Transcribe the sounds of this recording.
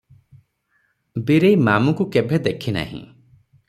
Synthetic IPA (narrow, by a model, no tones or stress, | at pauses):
biɾejmamukukebʱed̪ekʰina̰ɦḭ̃